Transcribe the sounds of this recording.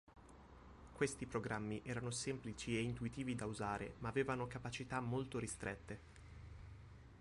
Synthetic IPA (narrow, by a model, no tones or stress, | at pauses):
kwest̪ipɾoɡɾamːiʔɛːɾanosemplit͡ʃieint̪uit̪iːvid̪auzaːɾʔḛmaːveːvanokapat͡ʃit̪amːolt̪oɾist̪ɾʔet̪ːe